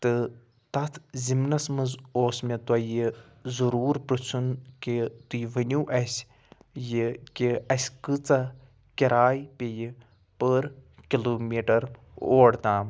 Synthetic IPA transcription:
t̪ɨ | t̪ɐt̪ʰzimnɐsmɨzoːsmʲet̪ɐji | zuɾuːɾpɾɨt͡sʰunkit̪ujʋɐnʲuʔɐsʲ | jikiɐsʲkɨt͡sɐ | kʲiɾaːjpʲeji | pəɾ | kʲiloːmiːʈɐɾoːɽd̪aːm

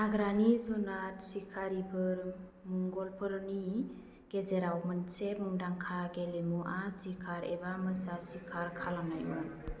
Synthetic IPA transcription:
aɡɾanizunatsikʰaɾipʰəɾ | muŋɡɔlpʰəɾni | ɡ̥ezeɾawmənsemuŋdaŋkʰaɡelemuʔasikʰaɾebaməsasikʰaɾkʰalana̰jmɯ̰n

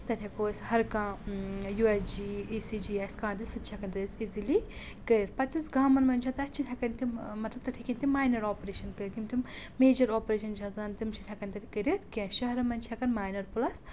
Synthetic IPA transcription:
t̪ɐt̪ʰʲɐkoːsʲhɐɾkãːjuːɛsd͡ʒiiːsid͡ʒiːaskãːnt̪isut̪t͡ʃʰɐkɐnʲt̪ɐisizili | kəɾʲiɾpɐt̪ʲusɡaːmɐnmɐnʲt͡ʃʰãt̪ɐt͡ʃʰinʲɦʲɐkɐnt̪immɐt̪lɐb̚t̪ɐt̪ʲʰikinʲt̪imaːjnɐɾɔːpɾeːʃɐnkɨɾt̪imt̪immeːd͡ʒɐɾɔːpɾeːʃɐnd͡ʒɐzaːnt̪imt͡ʃʰinʲɦʲɐkɐnʲt̪ɐt̪ʰkɐɾit̪kʲẽʃɐɦɾɐmɐnt͡ʃʰɐkɐnmaːjnɐɾpulɐs

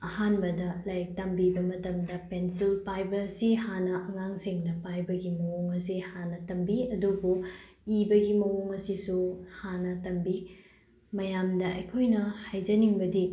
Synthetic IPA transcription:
ɐhanbɐdɐlɐjk̚tɐmbibɐmɐtɐmdɐpensilpajbɐːsihanɐʔɐŋaŋsiŋdɐpajbɐɡimɐwoŋɐs̬ihanɐtɐmbiɐdubu | ibɐɡimɐwoŋɐsisuhanɐtɐmbi | mɐjamdɐʔɐjkʰojnɐhajd͡ʒɐniŋbɐdi

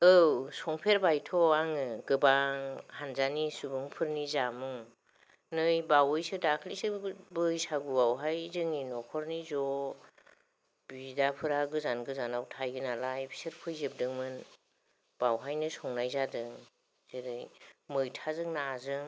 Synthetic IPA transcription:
ɯwsɔŋpʰeɾbajtʰɔaŋɯɡɯbaŋhanzanisubɯŋpʰɯɾnizamuŋ | nɯjbawɯjsɯdakʰlisɯbɯjsaɡubawɦajzɯŋinɔkʰɔɾnizɔ | b̥idapʰɯɾaɡɯzanɡɯzanawtʰajɡɯnalajbʰi̥sɯɾpʰɯjzɯb̚dɯŋmɯn | b̥awɦajnɯsɔŋnajzadɯŋ | z̥eɾɯjmɯjtʰazɯŋnaːzɯŋ

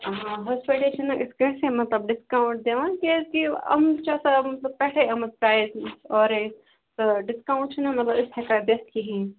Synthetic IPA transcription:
ɦãɦɔːspiʈeːʃɐnʔɪsɡɐsemɐt̪lɐbɖɪskaːʊ̃ɳʈ̚d̪eːʋãkekiɐ̰mt͡ʃasamɐt̪ləbpɛːʈʰeɐmɐspɾaːɪzɔːɾe | t̪oɖɪskaːʊ̃ɳʈt͡ʃʰnɐ̃mɐt̪lɐbɪshɐkab̪ɐt̪kiɦɛ̃ː

